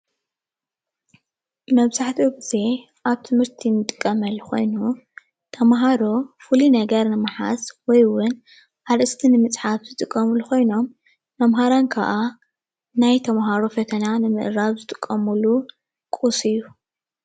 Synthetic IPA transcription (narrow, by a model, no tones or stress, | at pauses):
mɐβzaħt̪ʰioɡize̞ | ʔaβt̪ʰɨmhɨɾt̪ʰinɨt̪ʼɨkʼːɐmɐlxo̞̰jnu | t̪ʰɐmɦaɾofɨlinɐɡɐɾnɨmaħa̰swɔjwʊn | ʔaɾɨst̪ʰinɨmɨt͡sʼħafzɨt̪ʼɨkʼːɐmuluko̞jno̞m | mɐmɦaɾankʰa̰ʔa | najt̪ʰɐmɦaɾofɐt̪ʰɐnanɨmɨ̰ʔɾaβzɨt̪ʼɨ̥kʼːɐmulu | kʼusɨjːu